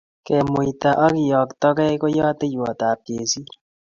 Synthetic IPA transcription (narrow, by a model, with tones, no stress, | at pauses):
kɛ˨mu˨i˨ta˨ʔɔ˦ki˨jɔ˨ktɔ˦kɛ˦ko˦jɔ˦te˦jwɔ˨ta˨p̚e˨si˦